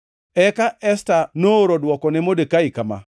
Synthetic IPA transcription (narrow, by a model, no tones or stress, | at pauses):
ɛkaʔɛstanooɾodwɔkɔnɛmodekaɪkama̰